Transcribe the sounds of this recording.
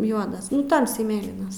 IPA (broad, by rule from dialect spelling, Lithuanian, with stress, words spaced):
ˈjuɔdɐs ˈtɐmʲsʲɛɪ ˈmʲeːlʲiːnɐs